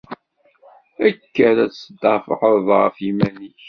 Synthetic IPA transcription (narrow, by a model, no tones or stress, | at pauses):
ækːæɾæsəd̪ɑfəħəðˤʁəfimæniç